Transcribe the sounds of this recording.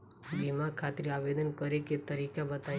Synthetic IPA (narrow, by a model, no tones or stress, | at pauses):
bimakʰat̪ɾiaʋed̪ənkəɾeket̪əɾikabət̪a